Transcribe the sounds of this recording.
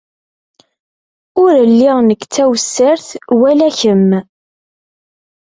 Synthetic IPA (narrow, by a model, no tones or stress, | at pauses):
ʊɾlːiʁnəkːt͡sːæwsːəɾθwælæçəm